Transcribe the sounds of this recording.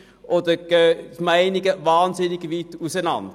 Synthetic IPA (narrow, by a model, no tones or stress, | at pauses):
ʔodəɡ̥ømaɪnɪɡəvɑːnzɪnɪɡviːtusɛnɑ̰nd